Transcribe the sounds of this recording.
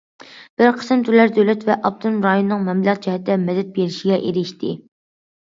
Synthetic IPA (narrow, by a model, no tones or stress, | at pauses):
b̥ɪɾqʰə̥sɨmt̪ʰyɾlæɾd̪øwlɛt̪vɛʔɑb̚t̪ʰumɾɑjonɨnɨŋmɛmlˠəq̚d͡ʒɛhɛt̪ʰːd̪ɛmɛd̪ɛt̪̚beɾɪʃiɡʲɛʔeɾɪʃt̪ʰɪ